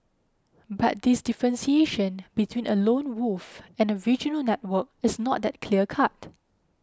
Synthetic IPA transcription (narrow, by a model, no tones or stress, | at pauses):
bat̚disdifɹə̃nsieʃə̃nbitʰwĩnʔəlõnwufɛ̃nəɹid͡ʒənəlnɛt̚wək̚ɪsnɔt̚dɛt̚kʰliəkʰat̚